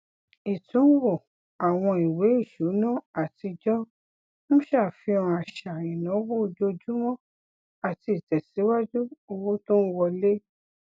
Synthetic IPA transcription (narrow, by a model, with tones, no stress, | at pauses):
i˨tũ˨˦wɔ˦˨ | a˨w̃ɔ̃˧i˨we˨˦i˦˨ʃu˨˦nã˦˨a˨ti˧d͡ʒɔ˦ | ñ̩˦ʃaː˦˨fi˧ɔ̃˧a˨ʃa˨ĩ˨nã˨˦wo˦˧d͡ʒo˧d͡ʒu˦mɔ̃˦ | a˨ti˧i˨tɛ˨si˨˦wa˦d͡ʒu˦o˧wo˦tũ˦n̩˦wɔ˧le˦